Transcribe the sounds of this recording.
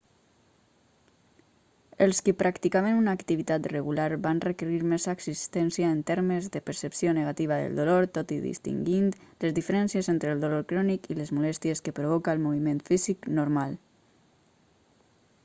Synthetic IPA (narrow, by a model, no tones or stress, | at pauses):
əlˠskəpɾʔakt̪ikaβenunaːkt̪iβit̪at̪rəɣulaɾbanrəkəɾiɾmezaəksist̪ɛnsjaːnt̪ɛɾməzðəpəɾsəpsionəɣat̪iβ̞aðə̰lˠd̪uloɾt̪ot̪iðḭst̪ḭŋɡint̪ləzðifəɾɛnsjəzent̪ɾəːlˠd̪uloɾkɾɔnikiləzmulɛst̪jəskəpɾuβ̞ɔkaəlˠmuβ̞imẽnt̪fiziknuɾmalˠ